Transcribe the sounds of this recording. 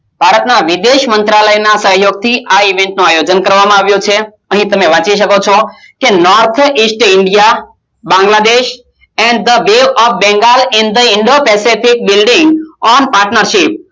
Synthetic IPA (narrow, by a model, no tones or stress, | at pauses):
bʱaɾət̪naʋid̪eʃmənt̪ɾaləjnasəɦjoɡ̚t̪ʰiʔaiʋẽɳʈnuajod͡ʒənkəɾʋamãaʋjõt͡ʃʰe | əɦĩt̪əmeʋãt͡ʃiʃ̬əkot͡ʃʰɔ | kenɔɾt̪ʰisʈɪɳɖija | bãŋɡlad̪eʃ | ɛ̃ɳɖd̪əʋeʋɔfbɛ̃ŋɡalɛ̃nɖd̪əɪɳɖopɛsifik̚bɪlɖɪ̃ŋɡɔnpaɾʈnəɾʃip̚